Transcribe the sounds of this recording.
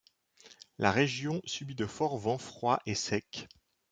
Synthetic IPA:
lʔa̰ʁeʒjɔ̃sybid̪əfɔʁvɑ̃fχwaʔesɛk

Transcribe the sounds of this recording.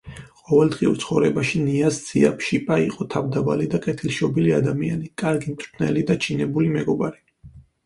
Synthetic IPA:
qʼɔvɛlˠd̪ʁiṵɾt̪sʰχɔvɾɛbaʃiniasd̪z̥ia̰pʰʃipʼaiqʼɔt̪ʰavd̪aba̰lid̪aqʼɛt̪ʰilʃɔbiliad̪amianikʼaɾɡimt̪ʼʰɾt̪ʰnɛ̰lid̪at͡ʃʰinɛbulimɛɡɔbaɾi

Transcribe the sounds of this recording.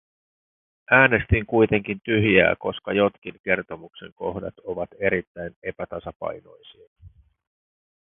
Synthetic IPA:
æːne̞st̪iŋkujt̪e̞ŋk̟int̪yɦjæ̰ːko̞skɑjo̞t̪k̟iŋke̞rt̪o̞mukse̞̰ŋko̞hdɑ̰t̪o̞ʋɑt̪e̞ɾit̪ːæjne̞pæt̪ɑsɑpɑ̰jno̞̰jsiɑ

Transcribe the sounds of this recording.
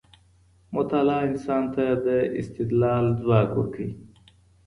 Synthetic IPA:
mʊt̪alaːinsaːnt̪ad̪əḭst̪ɪd̪laːld̪waːɡṵɾkʰi

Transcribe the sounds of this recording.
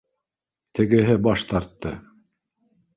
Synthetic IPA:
t̪ɘ̆ɡɘ̆ɦɘbɑʃt̪ɑɾt̪ːɤ

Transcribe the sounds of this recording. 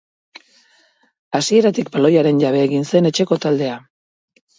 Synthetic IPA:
asie̞ɾat̪ik̚balo̞jaɾe̞nʝaβe̞ːɣinse̞ne̞t͡ʃe̞ko̞t̪ald̪e̞a

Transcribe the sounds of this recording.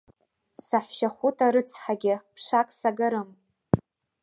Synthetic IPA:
saħʷʃaχʷutʰaɾɨt͡sʰħaɡʲɪpʰʂakʼsaɡɨɾɨm

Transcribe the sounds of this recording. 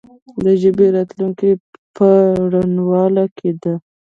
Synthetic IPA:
d̪əʒəbeɾɑt̪luŋkipəɽanwɑlakʰed̪a

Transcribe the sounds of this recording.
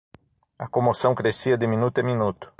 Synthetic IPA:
ɐkõmosɐ̃w̃kɾesiɐd̪ɪmĩnut̪ʊeminut̪ʊ̥

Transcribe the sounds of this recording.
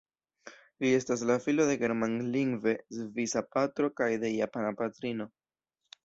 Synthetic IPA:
lie̞stas̬lafilo̞de̞ɡe̞ɾmanliŋɡve̞zvisapatɾo̞kajde̞japanapatɾino̞

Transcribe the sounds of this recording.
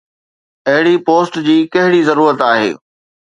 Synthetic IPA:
ɐɦɪɽipoːsʈd͡ʑiːkɐɦɪɽizɐɾuːɾət̪aːɦḛː

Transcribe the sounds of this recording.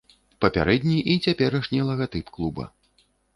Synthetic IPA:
pɐpʲa̰ɾɛd̪ʲnʲiʔit͡sʲapʲɛɾɐʂnʲilˠɐɣat̪ɨpklˠubɐ̰

